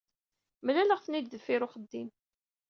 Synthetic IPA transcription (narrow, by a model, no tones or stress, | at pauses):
məlæləʁθnid̪ðəfːɪɾʊχəd̪ːim